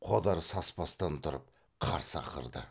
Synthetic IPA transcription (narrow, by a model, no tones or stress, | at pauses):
qʰod̪ɑɾsɑspɑst̪ɑnt̪ʰʊɾəp̚ | qʰɑ̰ɾsəɑ̰qʰə̰ɾd̪ə̰